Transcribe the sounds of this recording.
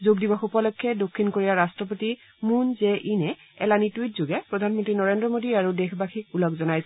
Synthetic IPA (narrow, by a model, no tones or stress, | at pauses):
zoɡdibaxupɔlɔkʰːɛdokʰːinkoɹijaɹastɹɔp̬oti | munzɛʔinɛ | ɛ̰lanitwit̚zoɡɛpɹɔdʱanmɔntɹinɔɹendɹɔmodiaɹudexbaxʰik̚ulɔkzɔnajs